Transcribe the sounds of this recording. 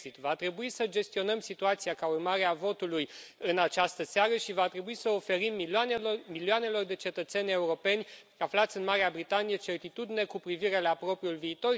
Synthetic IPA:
sit̪vat̪ɾe̞buisəd͡ʒe̞st̪io̞nəmsit̪uat̪siakaurmaɾeavo̞t̪ulujɨnat͡ʃast̪əseaɾəʃivat̪ɾe̞buisəofe̞ɾim | miliane̞lo̞rd̪e̞t͡ʃe̞t̪ət̪se̞nʲe̞uɾo̞pe̞nʲ | aflat̪sʲɨnmaɾeabɾit̪anijət͡ʃe̞rt̪it̪ud̪ine̞kupɾiviɾe̞lapɾo̞pɾiulviːt̪o̞r

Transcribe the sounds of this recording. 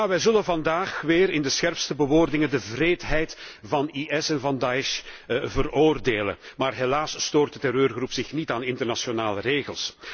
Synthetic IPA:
aʋɛjzɵlənvɑndaːxʋɪːɾɪndəsxɛrpstəbəʋoːrdɪŋəndəvreːtɦɛjtvɑniʔɛsɛnvɑndɑɪʃvəroːrdeːlə̰nmaːrɦelaːsstoːrt̚dətɛɾøːrɣrupsɪxnitaːnɪntərnasjonaːləreːɣəlˠs

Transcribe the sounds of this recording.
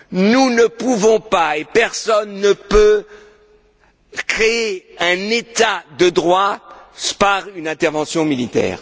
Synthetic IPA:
nunəpuvɔ̃paepɛʁsɔnːəpø | kχeeɛ̃net̪ad̪əd̪ʁwa | paʁynɛ̃t̪ɛʁvɑ̃sjɔ̃milit̪ɛ̰ːʁ

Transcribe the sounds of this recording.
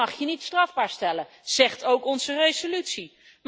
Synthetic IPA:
ɑχjənitstrɑvbaːɹstɛlə | z̥ɛχtowkɔnzərejzolytsi | m

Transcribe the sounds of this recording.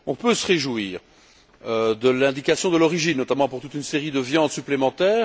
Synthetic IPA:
ɔ̃pøsəʁeʒuwiːʁ | ød̪əlɛ̃d̪ikasjɔ̃d̪əlɔʁiʒinːɔt̪amɑ̃puʁt̪ut̪ynseʁid̪əvjɑ̃d̪syplemɑ̃t̪ɛːʁ

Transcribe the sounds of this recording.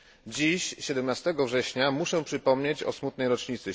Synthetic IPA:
d͡ʑiɕɕɛd̪ɛmnast̪ɛɡɔvʐɛɕɲamuʂɛ̃pʂɘpɔmɲet͡ɕɔ̰smut̪nɛjɾɔt͡ʂɲit̪sɘ

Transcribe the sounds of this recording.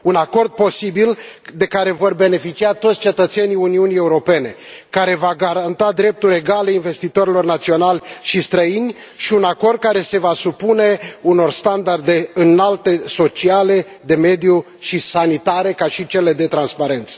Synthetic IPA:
unako̞rd̪̚po̞sibild̪e̞kaɾe̞vo̞rbe̞ne̞fit͡ʃiat̪ot̪sʲt͡ʃe̞t̪ət̪seniuniunie̞uɾo̞pe̞ne̞ | kaɾe̞vaɡaɾant̪ad̪ɾe̞p̚t̪uɾʲe̞ɡaleinve̞st̪it̪o̞ɾilo̞rnat̪sio̞nalʲʃist̪ɾəinʲ | ʃiunako̞rd̪̚kaɾe̞se̞vasupune̞uno̞rst̪and̪ard̪e̞ɨnalt̪e̞so̞t͡ʃiale̞ | d̪e̞me̞d̪iju | ʃisanit̪aɾe̞kaʃit͡ʃe̞le̞d̪e̞t̪ɾanspaɾe̞nt̪sə̥

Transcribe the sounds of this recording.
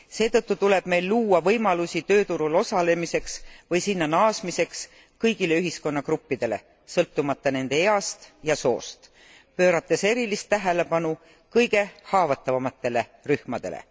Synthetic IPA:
se̞ːt̪ɤt̪ˑːut̪ule̞b̥me̞jlːuːɑvɤjmɑlusʲit̪øːt̪uɾulo̞sɑle̞mise̞ksvɤjsinːɑnɑːsmise̞ks | kɤjɡ̥ile̞yɦisko̞nːɑkrupːid̪̥e̞le̞̰ | sɤlt̪ːumɑt̪ˑːɑne̞nd̪̥e̞eɑst̪jɑso̞̰ːst̪ | pø̞ːɾɑt̪ːˑe̞se̞ɾilist̪ːæɦe̞le̞pɑnu | kɤjɡe̞hɑːvɑt̪ːˑɑvɑmɑt̪ːˑe̞le̞ryhmɑd̪̥e̞̰lḛ

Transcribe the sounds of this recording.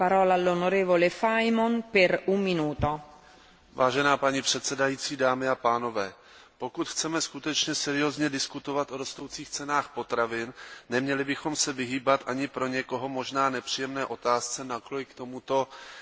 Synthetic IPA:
paɾɔːlalːonoɾɛːvolefajmonpɛɾumːinuːt̪o | vaːʒɛnaːpaɲɪpr̝̥ɛt̪sɛdajiːt͡siːdaːmɪapaːno̞vɛː | po̞kut̪xt͡sɛmɛskut̪ɛt͡ʃɲɛsɛɾɪozɲɛdɪskut̪ovat̪ʔoɾo̞st̪o̞wt͡siːxt͡sɛnaːxpo̞t̪ɾavɪnːɛmɲɛlɪbɪxo̞msɛvɪɦiːbat̪ʔaɲɪpɾo̞ɲɛko̞ɦo̞mo̞ʒnaːnɛpr̥ijɛmnɛːʔo̞t̪aːst͡sɛnaklojkt̪o̞mut̪o̞

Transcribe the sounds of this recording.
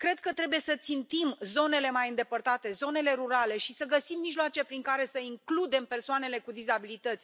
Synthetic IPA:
kɾe̞d̪̚kət̪ɾe̞buje̞sət̪sint̪imzo̞ne̞le̞majɨnd̪e̞pərt̪at̪e̞zo̞ne̞le̞ɾuɾale̞ʃisəɡəsimːiʒloat͡ʃe̞pɾiŋkaɾe̞səiŋklud̪e̞mpe̞rsoane̞le̞kud̪izabilit̪ət̪sʲ

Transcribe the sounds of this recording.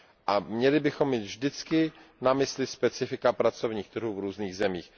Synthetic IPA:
ʔamɲɛlɪbɪxo̞mːiːt̪vʒdɪt͡skɪnamɪslɪspɛt͡sɪfɪkapɾat͡so̞vɲiːxt̪r̩ɦuːvɾuːzniːɣzɛmiːx

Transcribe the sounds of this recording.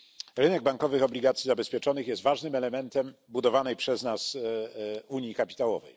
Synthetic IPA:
ɾɘnɛɡ̚baŋkɔvɘxɔblʲiɡat̪sʲjizabɛspʲjɛt͡ʂɔnɘxjɛst̪vaʐnɘmɛlɛmɛnt̪ɛmbud̪ɔvanɛjpʂɛznas | uɲjikapʲi̥t̪awɔ̰vɛ̰j

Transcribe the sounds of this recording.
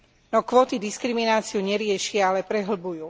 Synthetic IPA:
nɔkʋɔːt̪id̪iskɾiminaːt͡siuɲɛɾɪɛʃɪaalɛpɾɛɦl̩bujuː

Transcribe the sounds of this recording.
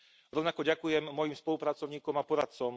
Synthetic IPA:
ɾɔʊnakɔɟakujɛmːɔjimspɔlupɾat͡sɔʊɲiːkɔmapɔɾat̪̚t͡sɔm

